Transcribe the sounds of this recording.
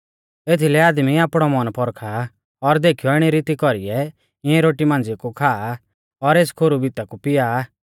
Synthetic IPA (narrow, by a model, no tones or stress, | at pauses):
et̪ʰilɛaːd̪miaːpɽ̃ɔmɔnpʰɔɾkʰa | ɔɾd̪eːkʰijɔɪɽ̃iɾit̪ikɔɾḭɛ | ɪ̃ɛ̃ɾoːʈimãːnd͡zikukʰaː | ɔɾeːskʰoːɾubit̪akupɪjaː